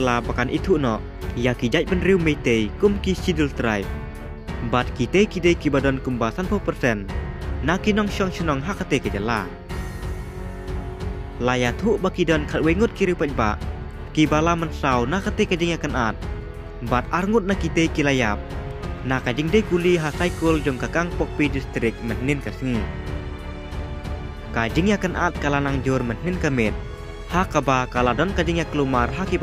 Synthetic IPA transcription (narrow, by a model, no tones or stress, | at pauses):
labakanʔit̪ʰuʔnɔʔ | jakid͡ʒac̚bənɾiwmet̪ejkumkisidəlt̪ɾa̰jp̚ | bat̪̚kit̪ejkidejkibadɔnkumbasanpɔpərsɛnːakinɔŋʃɔŋʃənɔŋɦakat̪ekəd͡ʒəla̰ | lajat̪ʰuʔbakidɔnkʰat̪̚weŋut̪̚kiɾipəc̚ba̰ʔ | kibalamənsawnakat̪ɛkad͡ʒiŋjakənat̪̚ | bat̪̚arŋʊt̪̚nakid̪ejkilajap̚nakad͡ʒiŋdekuliɦasajkuld͡ʒʊŋkakaŋpɔk̚pidist̪ɾɪk̚mənninkəsŋi | kad͡ʒiŋjakənʔa̰t̪̚kalanaŋd͡ʒurmənhninkəmɪt̪̚ | hakabakaladɔnkad͡ʒiŋjakəlumarɦakiba